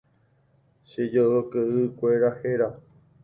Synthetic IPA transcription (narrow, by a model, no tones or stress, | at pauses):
ʃed͡ʒookɨʔɨkʷe̞ɾaheɾa